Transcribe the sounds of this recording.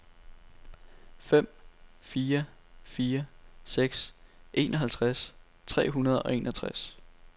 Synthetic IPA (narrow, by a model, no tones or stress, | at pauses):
fem̰fiːɐfiːɐseɡ̥sʔe̝ːnʔɒ̽ɦælt͡sʰʁas | t͡sʰʁɛ̰ːɦunɐð̞ˠɒ̽e̝nʔɒt͡sʰʁas